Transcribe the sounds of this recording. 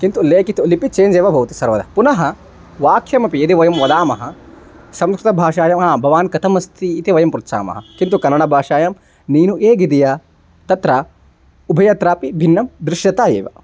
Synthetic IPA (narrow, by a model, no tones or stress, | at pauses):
kint̪uleːkit̪ulipit͡ʃeːnd͡ʒeːʋɐbʱɐʋt̪isɐɾʋɐd̪ɐɐpunɐɦɐ | ʋaːkʰjɐmɐpiɐt̪iʋɐjɐmʋɐd̪aːmɐɦɐ | sɐmskɾɪt̪ɐbʱaːʂaːjɐmaːbʱɐʋaːnkɐt̪ʰɐmɐst̪ʰiːt̪iʋɐjɐmpɾut̪sa̰ːmɐ̰ɦɐkint̪ukɐnːɐɽɐbʱaːʂaːjɐm | niːnuʔeːɡid̪ija | t̪ɐt̪ɾɐ | ubʱɐjɐt̪ɾaːpibʱinːɐmd̪ɾɪʂjɐt̪aːjḛːʋɐ̰